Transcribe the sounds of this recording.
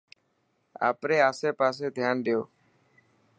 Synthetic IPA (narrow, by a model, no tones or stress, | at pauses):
a̰ːpɾeːaːseːpaːs̬eːd̪ʱjaːnɖ̪ɪjoː